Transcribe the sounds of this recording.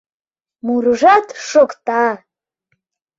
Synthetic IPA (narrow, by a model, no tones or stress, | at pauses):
muɾʐat̪ʂokt̪a